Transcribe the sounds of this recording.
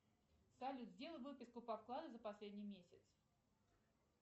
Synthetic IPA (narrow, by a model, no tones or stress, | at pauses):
salʲut̪zʲdʲelˠvɨpʲɪskʊpɐfklˠad̪əzəpɐsʲlʲedʲnʲijmʲesʲɪt̪s